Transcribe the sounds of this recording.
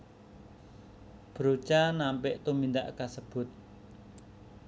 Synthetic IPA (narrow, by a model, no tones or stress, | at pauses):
b̥ɾot͡ʃanampɪʔt̪umind̪aʔkasəb̥ʊ̤t̪̚